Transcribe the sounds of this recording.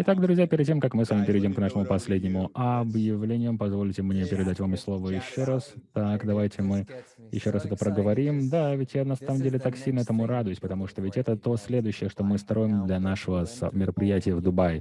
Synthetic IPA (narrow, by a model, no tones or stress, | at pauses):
ɪt̪akd̪ɾʊzʲjapʲɪɾʲɪd̪̚tʲemkakmɨsvamʲɪpʲɪɾʲɪdʲomknaʂəmʊpɐsʲlʲedʲnʲɪmʊʔɐbjɪvlʲenʲɪjəmpɐzvolʲtʲɪmnʲepʲɪɾʲɪd̪atʲvamɪslˠo̞vəjɪɕːoɾast̪akd̪ɐvajtʲɪmɨ | jɪ̰ɕːo̞ɾasɛt̪əpɾəɡəvɐɾʲimd̪avʲɪtʲjanɐsaməmdʲelʲɪt̪aksʲilʲnəɛt̪əmʊɾad̪ʊjɪsʲpət̪ɐmuʂt̪ovʲɪtʲɛt̪ət̪o̞sʲlʲed̪ʊɕːɪjəʂt̪o̞mɨst̪ɾo̞jɪmd̪lʲɐnaʂəvəsɐ̰mʲɪɾəpɾʲɪjætʲɪjəvd̪ʊbaj